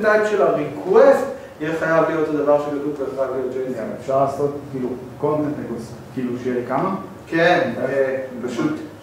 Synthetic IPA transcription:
tajtʃelaʁikʰwest | jeχajavtiot̪od̪avaʁʃekatuvleʁalejod͡ʒena̰efʃaʁlaːso̞tkiːlu | ko̞nt̪entmekoskiːluʃejekama | ken | paʃut̪

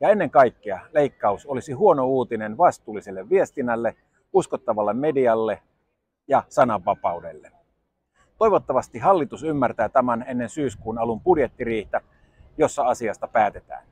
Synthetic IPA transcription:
jɑe̞nːeŋkɑikːeɑleikːɑusolisiɦuo̞nouːt̪inenʋɑst̪uːlːiselːeʋʋiest̪inːælːe | uskot̪ːɑʋɑlːemmediɑlːe | jɑsɑnɑʋːɑpɑudelːe | t̪o̞jʋot̪ːɑʋɑst̪iɦɑlːit̪usymːært̪æːt̪æmænenːensyːskuːnɑlumpudjet̪ːiriːht̪æ | jo̞sːɑɑsiɑst̪ɑpæːt̪et̪æ̰ːn

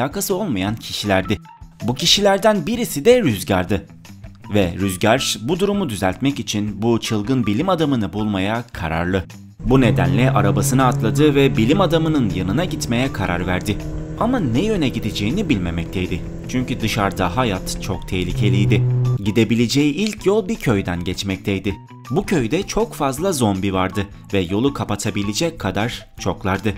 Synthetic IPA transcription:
aːkasɯo̞lˠmajancʰiʃilʲæɾd̪ɪ | bucʰiʃilʲæɾd̪ænbiɾisid̪ɛɾyzɟa̰ɾd̪ɯ | vɛɾyzɟaɾʃbud̪uɾumud̪yzælʲt̪mɛcit͡ʃʰinbut͡ʃʰɯlˠɡɯnbilʲimad̪amɯnɯbulˠmajakʰa̰ɾa̰ɾlˠɯ | bune̞d̪æ̰nlʲɛʔaɾabasɯnɯat̪lˠad̪ɯvɛbilʲimad̪amɯnɯnjanɯnaɟit̪me̞jɛkʰaɾʔa̰ɾvæɾd̪ɪ | amanɛjø̞nɛɟid̪ed͡ʒejinibilʲmemɛc̚t̪ʰɛjd̪ɪ | t͡ʃʰyɲcyd̪ɯʃaɾd̪aɦajat̪t͡ʃʰokt̪ʰɛhlʲicʰe̞lʲijd̪ɪɟid̪e̞bilʲed͡ʒejiilʲcʰjolˠbicʰø̞jd̪ænɟɛt͡ʃmɛc̚t̪ʰɛjd̪ɪ | bucʰø̞jd̪ɛt͡ʃʰo̞kfazlˠazo̞nbivaɾd̪ɯ | vɛjo̞lˠukʰapat̪ʰabilʲid͡ʒɛc̚kʰːad̪aɾ̥ | t͡ʃʰo̞klˠaɾd̪ɯ

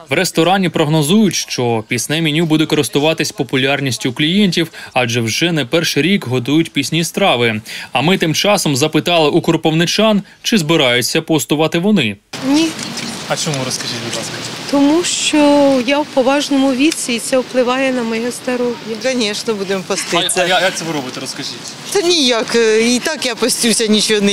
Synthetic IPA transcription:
ʋɾest̪ɔɾɑnʲipɾɔɦnɔzujʊtʲʃt͡ʃɔpʲisnɛmʲinʲubud̪ɛkɔɾɪst̪ʊʋɑt̪ɪsʲpɔpʊlʲɑrnʲisʲtʲʊklʲijɛnʲtʲiwɑd͡ʒɛwʒɛnɛpɛrʃɪɾʲikɦɔt̪ujʊtʲpʲisʲnʲist̪ɾɑʋɪɐmɪt̪ɪmt͡ʃɑsɔmzɐpɪt̪ɑlˠɪʔukɔrpɔwnɪt͡ʃɑn | t͡ʃɪzbɪɾɑjʊt͡sʲːɐpɔst̪ʊʋɑt̪ɪʋɔnɪnʲiɐt͡ʃɔmuɾɔskɐʒitʲbʊd̪lˠɑ̰skɐt̪ɔmuʃt͡ʃɔjawpɔʋɑʒnɔmʊʋʲisʲiːt̪sɛwplˠɪʋɑjɛnɐmɔjɛzd̪ɐɾɔɦjɐkɐnʲɛʃnɐbud̪empɔst̪ɪɐjajak̪̚ɛʋɪɾɔbɨt̪ʊɾɔskɐʒitʲ | t̪ɐnʲijakit̪ɑkjapɔsʲtʲusʲɐnʲit͡ʃɔnɪ

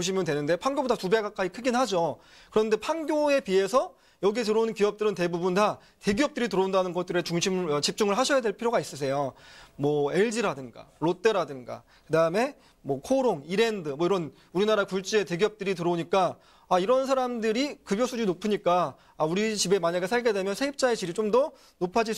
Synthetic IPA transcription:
oɕʰimjʌndwe̞nɯnde̞pʰaŋɡjobodatubeɡak͈aikʰɯɡinhad͡ʑo | kɯɾʌnde̞pʰaŋɡjoe̞pie̞sʰʌ | jʌɡietɯɾounnkiʌp̚t͈ɯɾɯnte̞bubunda | te̞ɡiʌp̚t͈ɯɾitɯɾʌundanɯnɡʌt͈ɯɾet͡ɕuŋɕʰimʌt͡ɕip̚t͡ɕ͈uŋɯɭɦaɕʰʌjadwe̞ɭpʰiɾjoɡais͈ɯsʰe̞jomwʌe̞ɭd͡ʑiɾadɯŋɡa̰ɾot͈eɾadɯŋɡa̰ | kɯdaɯme̞ | mwʌkʰoɾoŋiɾe̞ndɯmwʌiɾʌn | uɾinaɾakuɭt͡ɕ͈ie̞te̞ɡiʌp̚t͈ɯɾitɯɾoɲik͈a | aiɾʌnsʰaɾamdɯɾikɯbjosʰud͡ʑinopʰɯɲik͈aː | uɾit͡ɕibe̞maɲaɡesʰaɭɡe̞de̞mjʌnsʰeip̚t͡ɕ͈aet͡ɕiɾit͡ɕomdʌ | nopʰad͡ʑi

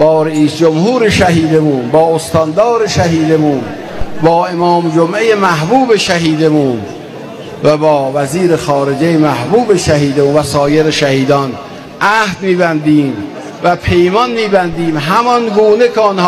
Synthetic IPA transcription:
b̥ɒːɾeiːsd͡ʒomhuːɾeʃæɦiːd̪emuːnbɒːost̪ʰɒnd̪ɒːɾeʃæɦiːd̪emuːn | bɒːe̞mɒːmd͡ʒomʔejemæhbuːbe̞ʃæɦiːd̪emuːn | væbɒːvæziːɾexɒːɾe̞d͡ʒejemæhbuːbeʃæhiːd̪emuːnvæsɒːje̞ɾeʃæhiːd̪ɒn | ʔæhd̪miːbænd̪iːm | væpʰe̞jmɒnmiːbænd̪iːmɦæmɒnɡuːnekʰeɔnhː

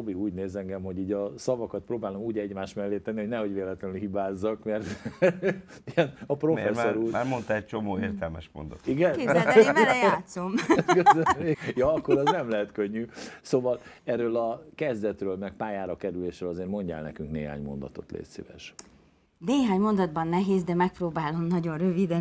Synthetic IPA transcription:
obiɡuːɟneːzɛŋɡɛmɦo̞ɟiːɟɒsɒvɒkɒt̪̚proːbaːlo̞muːɟɛɟmaːʃt̪mɛlːeːt̪ɛnːiho̞ɟnɛho̞ɟveːlɛt̪lɛnylhibaːzːɒkmɛrt̪ | iɛnɒpro̞fɛsːoɾuːaːɾmont̪aɛc̚t͡ʃomoːeːrt̪ɛlmɛʃmo̰nd̪ɒt̪iɡɛn | t̪somɡøzømejɒɒkːoɾɛznɛmlɛɦɛt̪køɲːysoːvɒl | ɛrːøːlɒkɛzd̪ɛt̪røːlmɛk̚paːjaːɾɒkɛɾyleːʃɾøːlɒzeːrmo̞ɲɟa̰lnɛ̰kyŋknḛːɦa̰ːɲmo̞nd̪ɒ̰t̪o̞̰t̪lḛːssḛːʋɛ̰ʃ | neːɦaːɲmo̞nd̪ɒd̪bɒnːɛɦeːzd̪ɛmɛk̚proːbaːlo̞mnɒɟo̞nrøvid̪ɛ

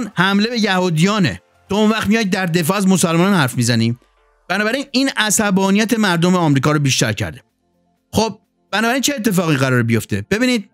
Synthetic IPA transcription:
nhæmle̞be̞jæhuːd̪ijɒːnḛ | t̪ʰɒonvæχt̪mijɒjd̪̚d̪ːæɾd̪e̞fɒːæzmosælmɒːnɒnhæɾfmiːzæniː | b̥ænɒːbæɾiːniːnæsæbɒːnijæt̪ʰe̞mæɾd̪omeɒmɾiːkɒːɾobiːʃt̪æ̰ɾcʰæ̰ɾd̪e | xob̚ | b̥ænɒːbæɾint͡ʃʰe̞ːt̪ʰːe̞fɒːɣiɣæɾɒːɾebijo̞ft̪ʰe̞b̥e̞biːniːd̪̚

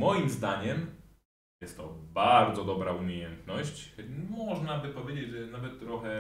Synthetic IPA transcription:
mɔjimzd̪aɲɛm | jɛst̪ːɔbaɾd̪zɔd̪ɔbɾaumʲejɛnt̪nɔɕt͡ɕmɔʐnabɘpɔvʲjed͡ʑed͡ʑʐɛnavɛt̪ːɾɔxɛ

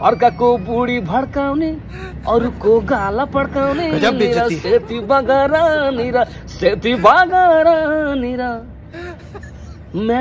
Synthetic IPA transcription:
ʌɾkakobuɽibʱɐɽkawni | ɔɾukoɡalapɐɽkaːwniniɾaset̪ibaɡaɾaniɾaset̪ibaɡaɾaniɾa | mɛ

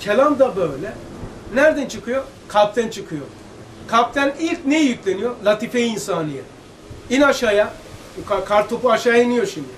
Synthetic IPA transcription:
cʰelʲand̪abøjlʲɛ | næɾd̪ɛnt͡ʃʰɯkʰɯjoɾ | kʰap̚t̪ʰɛnt͡ʃʰɯkʰɯjoɾ | kʰap̚t̪ʰɛnilʲcnejijycʲlʲenyjoɾlˠat̪ʰifejinsaːnɯjɛ | inaʃaja | kakʰaɾt̪ʰopuaʃajainijoɾʃimd̪i

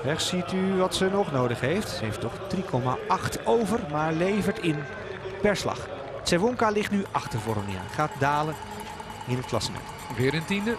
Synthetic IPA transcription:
ɛχsityʋɑtsənɔχnowdəχɦejftsəɦejftɔχd̥rikʰɔma̰ʔɑχtowvərmaːɹlejvəɹtɪn | pɛɹslɑ̰χ | sɛʋɔŋkalɪχtnyʔɑχtəɹvɔrəmɪə̰χaːt̚daːlə | ɪnət̚klɑ̰səmɛ̰t | vɪːɾəntində

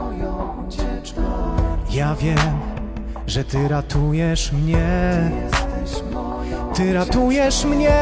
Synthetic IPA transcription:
javʲjɛm | ʐɛt̪ɘɾat̪ʰujɛʂmɲɛ | t̪ɪɾat̪ujɛʂmɲɛ

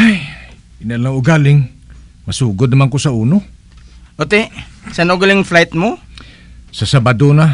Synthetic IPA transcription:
aj | ɪnaʔlaŋʊɡaːlɪŋmɐsuːɡʊd̪̚nɐmankosauːno | ot̪esanoɡalɪŋflajt̪̚mo | sasabad̪ona

